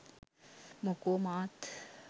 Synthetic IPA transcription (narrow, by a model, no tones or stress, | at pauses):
mʊkoːmaːt̪